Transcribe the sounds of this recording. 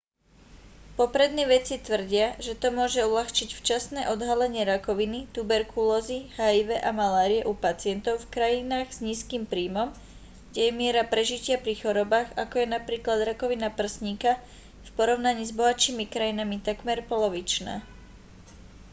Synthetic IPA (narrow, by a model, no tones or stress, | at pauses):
pɔpɾɛd̪nɛːʋɛt͡sit̪ʋr̩ɟɪaʒɛt̪ɔmʊɔʒɛulaxt͡ʃicft͡ʃasnɛːʔɔd̪ɦalɛɲɪɛɾakɔʋinit̪ubɛɾkulɔːzihaiʋɛʔamalaːɾiɛʔupat͡sɪɛnt̪ɔʊfkɾajinaːɣz̥ɲiːskiːmpɾiːmɔm | ɡ̥ɟɛjɛmɪɛɾapɾɛʒicɪapɾixɔɾɔbaːɣakɔjɛnapɾiːklad̪ɾakɔʋinapr̩sɲika | fpɔɾɔʊnaɲiːzbɔɦat͡ʃiːmikɾajinamit̪aɡmɛɾpɔlɔʋit͡ʃna̰ː